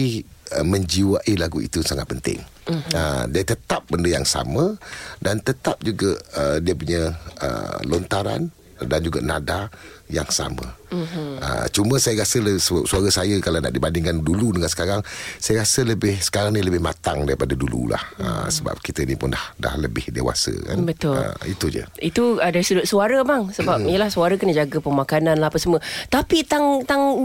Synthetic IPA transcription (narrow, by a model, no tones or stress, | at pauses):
iəməɲd͡ʒiwaʔilaɡuḭt̪ujŋsaŋat̪̚pənt̪ɪ̰ŋ | ədiət̪ət̪ap̚bəndəjaŋsa̰mə̃dant̪ət̪ap̚d͡ʒuɡaʔədiəp̬uɲəə̰lɔnt̪aɾa̰n | dand͡ʒuɡaʔnada | ja̰ŋsa̰mə̰ | ə̰t͡ʃumə̃sajəɾasəlsəbap̚suaɾasajəkalana̰ʔdibandɪŋkanduludəŋansə̥kaɾaŋsajəɾasələbɪhsə̥kaɾaŋniləbɪhma̰t̪aŋdaɾipadadulṵla̰həsəba̰p̚kit̪ənipʊndahda̰hləbɪhdḛwa̰sə̰ka̰nbət̪ʊləit̪ud͡ʒə̰it̪uədaɾisədʊt̪̚suaɾəmaŋsəbap̚ijəlahsuaɾəkənəd͡ʒaɡəpəmakanãnlahapəsəmət̪apit̪aŋt̪aŋ